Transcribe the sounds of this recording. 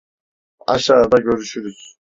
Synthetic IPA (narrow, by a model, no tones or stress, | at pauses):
ɑ̰ʃaːd̪aɟø̞ɾyʃyɾyz̥